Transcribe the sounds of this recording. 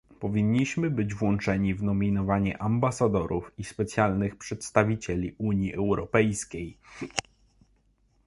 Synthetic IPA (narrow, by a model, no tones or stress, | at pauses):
pɔvʲiɲːiɕmɘbɘd͡ʑvwɔnt͡ʂɛɲivnɔmʲinɔvaɲɛ̰ʔambasad̪ɔɾufispɛt̪sjalnɘxpʂɛt̪st̪avʲit͡ɕelʲiʔuɲiʔɛwɾɔpɛjskʲej